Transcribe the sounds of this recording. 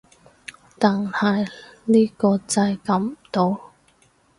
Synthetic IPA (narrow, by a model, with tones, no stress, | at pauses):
t̪aː˨˩nhɐ˨˩jniː˥kɔː˧t͡sɐ˧jkɐ˨˥m˨t̪o˧w